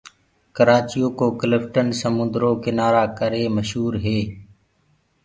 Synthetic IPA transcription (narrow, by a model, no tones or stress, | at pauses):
kəɾaːt͡ʃijoːkoːklɪfʈənsəmʊ̃nd̪ɾoːkɪnaːɾaːkəɾeːməʃɦuːɾɦeː